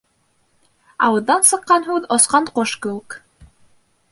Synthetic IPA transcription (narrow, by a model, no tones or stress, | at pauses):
ɑ̰wɤ̆ðːɑnsɤ̆qːɑnɦʉðosqɑnqoʃkɘwʉk